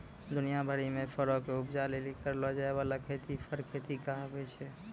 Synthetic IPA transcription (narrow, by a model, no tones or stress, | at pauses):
d̪unijabʱəɽimẽpʰəɾɔkeupd͡ʒalelikəɾlɔd͡ʒaeβalakʰet̪ipʰəɾkʰet̪ikaɦəbɛt͡ʃʰɛ